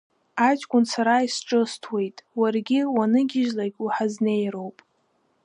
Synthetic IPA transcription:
at͡ʃʼkʷʼʊnt͡sʰaɾaisʈ͡ʂʼɨstʰwe̞jtʼwarɡʲɪwanɨɡʲɪʒlaɡʲʼuħazne̞jɾo̞wpʼ

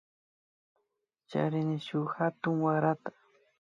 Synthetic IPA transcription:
t͡ʃa̰ɾɪnɪʃʊxat̪ʊŋwaɾat̪ḁ

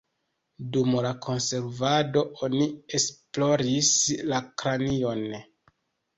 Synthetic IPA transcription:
dumlakʰo̞nse̞ɾvado̞ʔonie̞splo̞ɾislakɾanio̞n

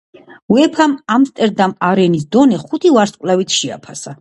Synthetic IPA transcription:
wɛpʰamamst̪ʼɛɾd̪amaɾɛnis̬d̪ɔnɛχut̪ʰivaɾskʼlɛvit̪ʰʃia̰pʰasa

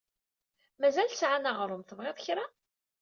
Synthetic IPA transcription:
mæzælsʕanaʁɾˤʊmθəvʁeðˤçɾa

